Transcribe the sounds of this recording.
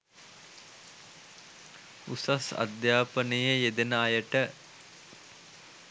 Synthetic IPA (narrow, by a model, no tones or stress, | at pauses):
ṵsasa̰d̪jaːpənəjəjed̪enaːjəʈə